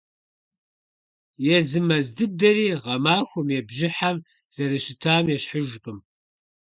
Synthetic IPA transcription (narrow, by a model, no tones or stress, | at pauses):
jɛzɨmɐzdɨb̚dɐɾiːʁɐmaːxʷʊmjɛbʒɪħam | z̥ɐɾɨʃɪtʰaːmjɛɕħəʒʷqʼɨm